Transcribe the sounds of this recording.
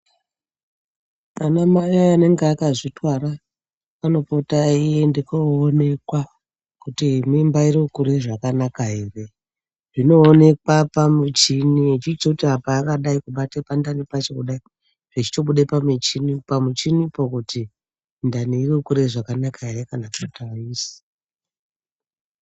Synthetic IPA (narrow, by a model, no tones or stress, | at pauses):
anamajaːne̞ŋɡeakaʐitwaɾa | ano̞potaijendekoːne̞kwa | kutimimbairiukuɾeʐakanakaɦere̞ | ʐino̞ːne̞kwapamut͡ʃiniet͡ʃiit͡sekutiapaːkaɗaikuɓatepandanipat͡ʃe̞kuɗai | ʐ̥et͡ʃi̥to̞ɓuɗepamit͡ʃinipamut͡ʃinipokuti | ndaniiriukuɾeʐakanakaɦeɾe̞kanapotaiːsi̥